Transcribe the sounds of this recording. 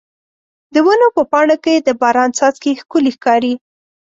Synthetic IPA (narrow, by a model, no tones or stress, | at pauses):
d̪əwənopəpɑɳoked̪əbɑɾɑnsɑzkexkʊlixkɑɾi